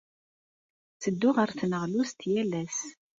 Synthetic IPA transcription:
t͡səd̪ːʊʁəɾθnəʁlust̪jælæs

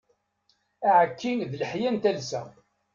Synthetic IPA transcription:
æʕəkːinðləħjænt̪ælsæ

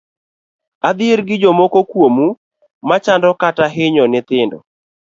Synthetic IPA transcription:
ad̪ɪeɾɡɪd͡ʒɔmokokwomu | mat͡ʃandɔkataɦɪɲɔnɪt̪ɪndɔ̰

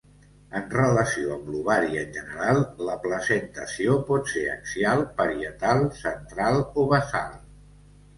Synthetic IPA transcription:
ənrələsioəɡluβ̞aɾiəːnʲʒənəɾalˠləpləzənt̪əsiopɔt̪seɾə̰ksialˠpəɾiət̪alˠsənt̪ɾalˠoβəsa̰lˠ

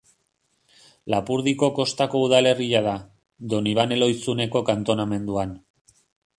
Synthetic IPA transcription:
lapuɾðiko̞ko̞st̪ako̞uðale̞riaða | d̪o̞niβ̞ane̞lo̞jsune̞ko̞kant̪o̞name̞nd̪uan

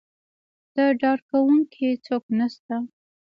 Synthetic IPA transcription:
d̪̥əɖɑɽkawuŋkʰit͡soknast̪a

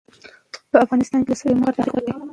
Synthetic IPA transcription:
pəafɣɑnɪst̪ɑnked̪əsəlemɑɾt̪aɾikwala

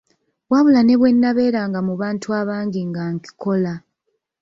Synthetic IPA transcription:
waβulane̞βwe̞nːaβe̞ːɾaːŋɡamuβaːntuaːβaːŋɡiŋɡaŋki̥ko̞la

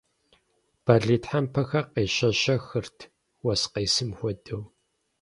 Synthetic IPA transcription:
b̥aɮiːtħampʰɐxɐqeːɕɐɕɐxɨrtʰ | wɐsqeːsɨmxʷɔdɐw

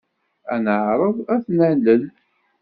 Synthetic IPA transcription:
ænəʕɾˤəðˤæθnæləl

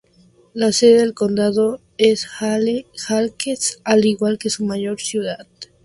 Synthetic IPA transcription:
laseðeðelko̞nd̪aðo | esaxalkesaliɣwalke̞sumaʝo̞ɾsjuðað

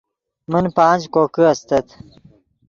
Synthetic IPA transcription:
mənpãːd͡ʑkoːkiɐst̪ɐt̪

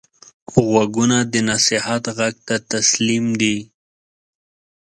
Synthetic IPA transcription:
ɣwaɡunad̪ənasɪhat̪ɣaɡ̚t̪at̪aslimd̪i

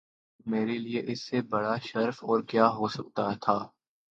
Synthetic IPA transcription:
meːɾelieʔɪsːebɐɽaʃɐɾfɔːɾkjaːɦosɐk̚t̪at̪ʰaː

